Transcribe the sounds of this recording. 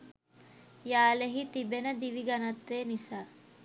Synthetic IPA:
jaːleɦit̪ibenəd̪iʋiɡanat̪ʋeːnisaː

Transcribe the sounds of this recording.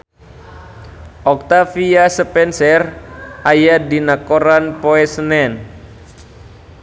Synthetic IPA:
ʔɔk̚t̪afiasəpɛnsɛrʔajadinakoɾanpoɛsənɛn

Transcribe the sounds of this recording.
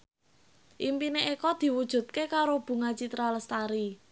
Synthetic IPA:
ʔimpineʔekɔd̪̥i̤wud̥ʒ̥ṳt̪̚kekaɾob̥ṳŋat͡ʃit̪ɾaləst̪aɾi

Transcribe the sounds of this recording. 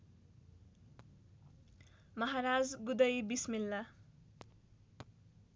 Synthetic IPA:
mʌɦaɾad͡zɡud̪ʌjbismilːa

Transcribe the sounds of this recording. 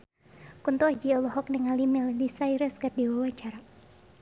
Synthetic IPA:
kunt̪ɔad͡ʒiɔlɔɦɔk̚niŋalimildisaiɾɛskardiwawat͡ʃaɾa

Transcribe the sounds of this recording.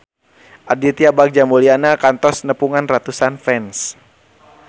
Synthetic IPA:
ʔadit̪iabak̚d͡ʒamolianakant̪ɔsnəpuŋanrat̪usanfɛns

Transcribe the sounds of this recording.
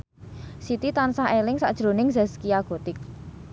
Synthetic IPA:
sit̪it̪ansahelɪŋsa̰ʔd̥ʒ̥ɾonɪŋzɛskiaɡ̥o̤t̪ɪk̚

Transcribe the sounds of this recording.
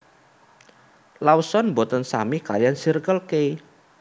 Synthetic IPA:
lawsɔnmbot̪ənsamikajansirkəlkej

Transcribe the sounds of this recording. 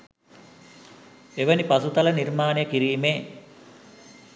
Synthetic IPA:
eʋɐnipɐsut̪ɐlɐniɾmaːnejəkiɾiːmeː

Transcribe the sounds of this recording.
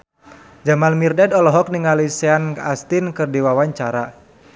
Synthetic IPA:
d͡ʒamalmirdadɔlɔɦɔk̚niŋalisɛankast̪inkɨrdiwawaɲt͡ʃaɾa

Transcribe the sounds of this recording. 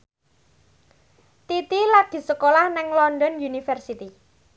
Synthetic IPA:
t̪it̪ilad̪̥i̤səkolahnɪŋlɔnɖɔnjunifərsit̪i

